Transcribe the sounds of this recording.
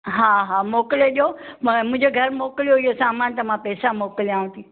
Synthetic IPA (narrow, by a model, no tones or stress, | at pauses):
ɦaːɦaːmoːkleʄomʊ̃ɦɪ̃ɲd͡ʑeɡʱɐɾmoːkɪljoɦɪjosaːmaːnt̪ɐmãpɛːsamoːklijaːʋũt̪ʰiː